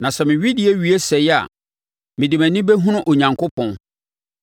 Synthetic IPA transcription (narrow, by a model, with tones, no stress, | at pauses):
nã˨sɛ˨mɪ̃˨ɥi˦dɪ˨ɛ˦ɥi˨˦e˦sɛ˨ja̰˨ | mɪ̃˨dɪ˨mæ̃˨nĩ˦bɛ˦ɦũ˦nʊ̃˦ʔo˨ɲã˨ŋkʰʊ˦pʰɔ̃˨